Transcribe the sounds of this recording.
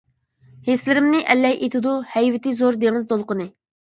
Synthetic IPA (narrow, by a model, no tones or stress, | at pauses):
heslɪɾɪmnɪʔɛlːɛjʔet̪ʰɪd̪uhɛjvɪt̪ɪzoɾd̪eŋɪzd̪olˠqənɨ